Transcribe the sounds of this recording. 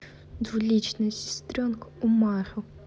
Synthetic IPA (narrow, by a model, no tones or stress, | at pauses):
d̪vulʲit͡ʃʰnɨsʲɪ̥st̪rʲonkumaχʲɨw